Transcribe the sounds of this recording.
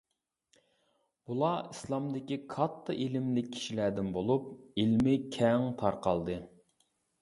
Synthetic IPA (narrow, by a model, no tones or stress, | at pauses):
b̥ulˠɑislˠɑmd̪ɪkʲikʰɑt̪ʰːɨʔilɪmlɪkʲʰːi̥ʃilæd̪ɪnbolˠupilmɪkʲʰɛŋt̪ʰɑɾqɑlˠd̪ɨ